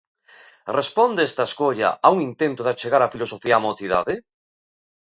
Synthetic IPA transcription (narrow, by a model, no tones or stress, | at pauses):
respond̪eest̪aeskoʎa̰ʔauŋint̪ent̪oðat͡ʃeɣaɾafilosofiaːmoθiða̰ðɪ